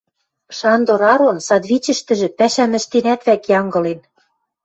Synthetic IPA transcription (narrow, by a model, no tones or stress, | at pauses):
ʃɑnd̪oɾɑɾonsɑd̪βit͡ɕɘ̆ʃt̪ɘ̆ʒɘ̆pæʃæmɘ̆ʃt̪enæt̪βækjɑŋɡɤ̆len